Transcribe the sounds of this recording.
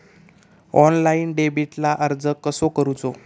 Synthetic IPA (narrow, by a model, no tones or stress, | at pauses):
ɔnlainɖebiʈlaʔəɾd͡zəkːəsokəɾut͡so